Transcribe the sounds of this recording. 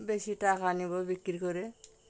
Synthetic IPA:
besitakanibɔbikiɾkɔɾɛ

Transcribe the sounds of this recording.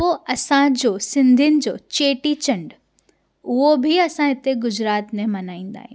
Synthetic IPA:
ɦoɐsãd͡ʑoːsɪ̃nd̪ʱijʊnɪ̆d͡ʑoːt͡ɕeːʈit͡ɕɐ̃ɳɖ | ʊɦobʱɪɐsãɦɪt̪eɡʊd͡ʑɾaːt̪mẽmɐnaːĩːn̆d̪a̰ːɦĩj̃

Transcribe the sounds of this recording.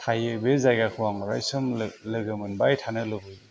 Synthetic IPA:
tʰajɯbezajɡakʰuwaŋɾa̰jsɯmlɯɡɯmɯnbajtʰanɯlɯbɯj

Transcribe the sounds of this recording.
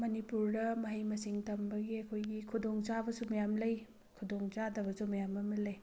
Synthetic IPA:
mɐnipuɾdɐmɐɦɐjmɐsiŋtɐmbɐɡiɐkʰojɡikʰudoŋt͡ʃabɐsumɐjamlɐj | kʰudoŋt͡ʃadɐβɐsumɐjamɐmɐlɐj

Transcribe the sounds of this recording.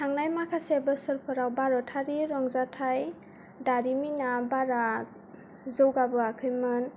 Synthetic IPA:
tʰaŋnajmakʰasebɯsɯɾpʰɔɾawbaɾɔtʰaɾiɾɔŋzatʰaj | daɾiminabaɾa | zɯwɡabɯakʰɯjmɯn

